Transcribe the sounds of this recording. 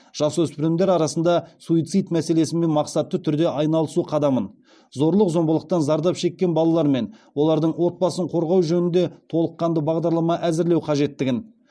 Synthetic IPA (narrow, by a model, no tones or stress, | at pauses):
ʒ̥ɑswɵspɪɾɪmd̪e̞ɾɑɾɑsənd̪ɑsuit̪sɨjt̪mæse̞le̞sɪnme̞nmɑqsɑt̪ːət̪ʰʏɾd̪e̞ʔɑjnɑlˠəsuqʰɑd̪ɑmən | zo̞ɾlˠəqzo̞mbəlˠəq̚t̪ɑnzɑɾd̪ɑpʃe̞kʲːe̞nbɑlˠɑlˠɑɾme̞nwo̞lˠɑɾd̪əɴwo̞t̪̚bɑsəɴqʰo̞ɾʁɑwʒɵnɪnd̪e̞t̪ʰo̞lˠəqːɑnd̪əbɑʁd̪ɑɾlˠɑmɑʔæzɪɾle̞wqʰɑʒe̞t̪ːɪɡʲɪn